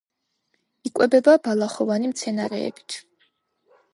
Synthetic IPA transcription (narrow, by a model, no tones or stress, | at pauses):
ikʼwɛbɛbabalˠaχɔvanimt̪sʰɛnaɾɛ̰ːbi̥t̪ʰ